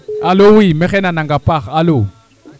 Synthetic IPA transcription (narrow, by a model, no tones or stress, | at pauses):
alowimɛɣɛnanaŋɡapʼaχaalo